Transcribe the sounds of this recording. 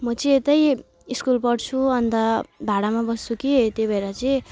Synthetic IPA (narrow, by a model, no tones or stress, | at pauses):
mʌt͡sʌĩet̪ʌj | iskulpʌɽt͡sʰuʌnt̪ʌbʱaɽamabʌst͡sukit̪jobʱʌeɾʌt͡sʌĩ